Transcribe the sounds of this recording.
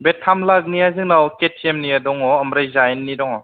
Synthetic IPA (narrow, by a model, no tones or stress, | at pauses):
betʰamlak̚niazɯŋnawketʰiemniadɔŋɔːmɾajzajnːidɔŋɔ